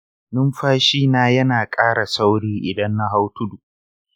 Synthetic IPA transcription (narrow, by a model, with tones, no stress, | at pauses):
nʊ˦mɸaː˦ʃiː˦naː˦˨jɐ˦naː˨kʼaː˦ɽa˨sa˦wɽiː˦ʔɪ˨dɐ˦nːa˦ɦa˦wtʊ˦du˨ʔ